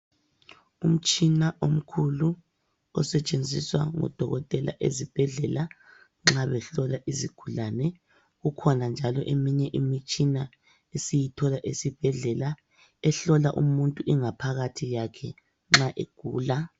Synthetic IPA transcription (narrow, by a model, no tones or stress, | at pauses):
um̩t͡ʃʼinaʔom̩kʰulu | ɔsɛt͡ʃʼend͡zʱiswa̰ŋɔ̰d̥ʱɔɣɔtʼɛla̰ʔḛzib̥ʱɛɮɛla | ŋ͡ǁaβɛɬɔlaʔiziɡ̥ʱulanɛ | ɣukʰɔnand͡ʒʱalɔʔemiɲɛʔimit͡ʃʼina | esijitʰɔlaʔesib̥ʱɛɮɛla | ɛɬɔlaʔumuntʼuɛŋapʰaɣatʰijakʰɛ | ŋ͡ǁaʔeɡ̥ʱṵːla